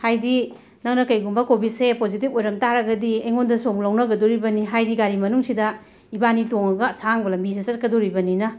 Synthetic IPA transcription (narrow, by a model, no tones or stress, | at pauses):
hajdi | nɐŋnɐkɐjɡumbɐkobit̚sepozitipojɾɐmtaɾɐɡɐdiejŋondɐsoŋlɐwnɐɡɐdɔɾibɐniɦajdiɡaɾimɐnuŋsidɐ | ibanitoŋɐɡɐsaŋbɐlɐmbizesɐt̚kɐdɔɾibɐninɐ